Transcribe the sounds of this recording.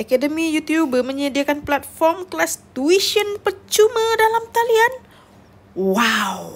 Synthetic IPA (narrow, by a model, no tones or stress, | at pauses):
ʔakadəmijut̪jubəmə̃ɲadiakanplat̪̚fɔrmklast̪uiʃiənpərt͡ʃumə̃dalamt̪alian | waw